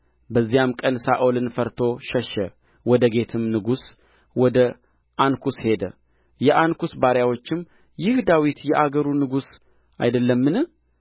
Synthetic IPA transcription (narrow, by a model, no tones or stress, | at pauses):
bəzːijamkʼənsaʔolɨnfəɾt̪ʰo̞ʃɛʃɛ̰ | wɔd̪əɡe̞t̪ʰɨmnɨɡus | wɔd̪ə | ʔankʰushe̞d̪ə̰ | jɛʔankusbaɾjawo̞t͡ʃːɪmː | jɪhd̪awit̪jɛʔaɡəɾunɨɡus | a̰jd̪əlːəmːɨnɨ